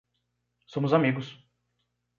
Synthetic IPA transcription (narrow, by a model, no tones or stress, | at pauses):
sõmʊzamiɡʊs